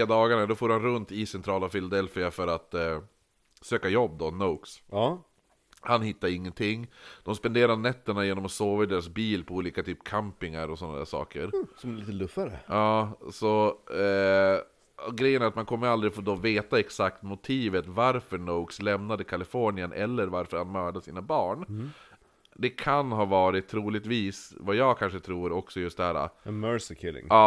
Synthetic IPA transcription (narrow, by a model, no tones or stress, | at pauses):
eːd̪ɑːɡaɳad̪ɔfoːɾhanɾɵnt̪ɪsɛnt̪ʰɾɑːlafɪlad̪ɛlfɪafœɾat̪ | søːkajɔbːd̪ɔnoʊks | hanhɪt̪ːaɾɪŋːənt̪ʰɪŋːd̪̥ɔmspɛnd̪eːɾaɳɛt̪ːəɳajeːnɔmɔsoːvad̪eːɾasbiːlpʰɔuːliːkat̪ʰyːpkʰampɪŋaɾɔsɔnːad̪æ̰ːʂɑ̰ːkə̰ɾsɔmɛliːt̪əlɵfːaɾə̰ɑːsɔ | ɔɡɾɛjːənæɾat̪mankʰɔmːəɾald̪ɾɪfoːd̪oːveːt̪aɛksak̚t̪mʊt̪ʰiːvət̪vaɾfœɳoːɡslɛmnad̪əkʰalɪfɔːɳɪənʔɛlːəɾvaɾfœɾhanmœːɖasḭːnabɑːɳ | d̪ɛkʰanɦɑːvɑːɾɪt̪ʰːɾuːlɪɡ̚t̪viːsvajɑːɡkʰanʂət̪ʰɾuːɾɔksɔjɵst̪d̪ɛhæːɾa̰mœɾsɪkʰɪlɪ̰ŋɑː